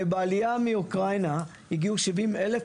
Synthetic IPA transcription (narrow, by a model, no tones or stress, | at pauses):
baalijamiukʁajna | hiɡiuʃivimele